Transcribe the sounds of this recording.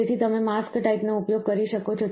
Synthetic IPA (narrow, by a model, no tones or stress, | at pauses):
et̪ʰit̪əmemaskʈaipnoupjoɡ̚kəɾiʃəkot͡ʃʰo